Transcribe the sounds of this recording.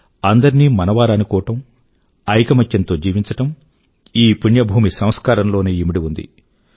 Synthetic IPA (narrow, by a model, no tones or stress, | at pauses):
ɐnd̪ɐɾinimɐnɐʋaːɾɐɐnukɔːʋɐʈɐm | ɐjkɐmɐt͡ʃːɐnt̪o̞ːd͡ʒiːʋiɲt͡ʃɐʈɐm | iːpuɳjɐbʱuːmisɐmskaːɾɐmlo̞ːneːimiɽiund̪ḭ